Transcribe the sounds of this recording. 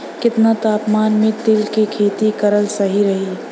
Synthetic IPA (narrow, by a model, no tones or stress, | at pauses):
kɪt̪nat̪aːpmaːnmẽt̪ɪlkikʰeːt̪ikɐɾəlsɐɦiɾɐɦiː